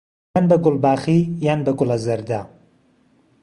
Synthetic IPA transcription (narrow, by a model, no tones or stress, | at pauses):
anbɐɡʊlˠbaːχijaːnbɐɡʊlˠɐzɐɾd̪a